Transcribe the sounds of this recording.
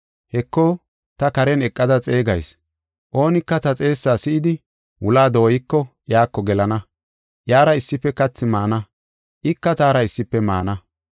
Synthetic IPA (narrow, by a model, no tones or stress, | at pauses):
hɛkːo | t̪ɐkɐɾɛnɛkʼːɐd̪ɐt͡sʼe̞ːɡɐjs | ʔo̞ːnɪkːɐt̪ɐt͡sʼe̞ːsːaːsɪʔɪd̪ɪ | wʊlaːd̪o̞ːjɪkːɔjaːkːɔɡɛlɐnɐ | jaːɾɐɪsːɪpːɛkɐt͡sːɪmaːnɐ | ʔɪkːɐt̪aːɾɐɪsːɪpːɛma̰ːnɐ